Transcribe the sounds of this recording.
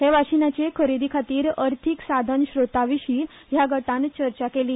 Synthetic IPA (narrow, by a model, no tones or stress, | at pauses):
ɦeʋaɕinat͡ɕekʰəɾid̪ʱikʰat̪iːɾəɾt̪ʰiksad̪ʱənɕɾot̪aʋiɕiː | jaɡəʈãnt͡ɕəɾt͡ɕakeliː